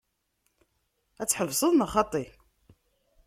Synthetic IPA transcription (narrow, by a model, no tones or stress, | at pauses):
æt͡sːħəvsˤəðˤnɑχɑt̪ˤːi